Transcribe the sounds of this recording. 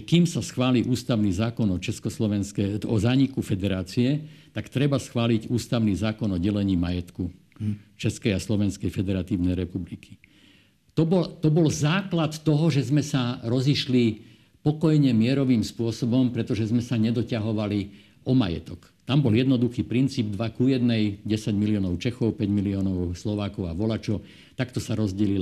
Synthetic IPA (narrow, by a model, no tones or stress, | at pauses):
kimsasxʋaːliʔuːst̪aʊniːzaːkɔnɔt͡ʃɛskɔslɔʋɛnskɛɔzaːɲikufɛd̪ɛɾaːt͡siɛt̪akt̪ɾɛbasxʋaːliɟuːst̪aʊniːzaːkɔnɔɟɛlɛɲiːmajɛt̪ku | t͡ʃɛskɛjaslɔʋɛnskɛjfɛd̪ɛɾat̪iːʊnɛjɾɛpublikʰi̥ | t̪ɔbɔlt̪ɔbɔlzaːklat̪ːɔɦɔʒɛzmɛsaɾɔziʃli | pɔkɔjɲɛmɪɛɾɔʋiːmspʊɔsɔbɔmpɾɛt̪ɔʒɛzmɛsaɲɛd̪ɔcaɦɔʋali | ʔɔma̰jɛ̰t̪ɔk | t̪ambɔljɛd̪nɔd̪uxiːpɾint͡siːb̚d̪ʋakujɛd̪nɛjɟɛsaɟmiliɔːnɔʊt͡ʃɛxɔʊpɛɟmiliɔːnɔʊslɔʋaːkɔʊaʋɔlat͡ʃɔʊ | t̪akt̪ɔsaɾɔzɟɛlil